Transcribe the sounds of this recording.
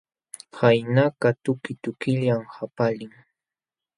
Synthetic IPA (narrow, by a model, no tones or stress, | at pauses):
hajnakat̪ʊkɪt̪ʊkɪʎamhapalɪŋ